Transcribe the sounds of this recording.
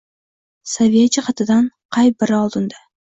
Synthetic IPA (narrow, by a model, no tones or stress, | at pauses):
savijat͡ʃɪχɑt̪ʰɪd̪anqʰɑjbɪɾɒlˠd̪ɪnd̪a